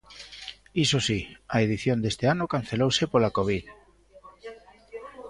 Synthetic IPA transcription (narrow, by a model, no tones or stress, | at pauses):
isosiaeðiθjond̪est̪eanʊkan̟θelowsepolakoβ̞ið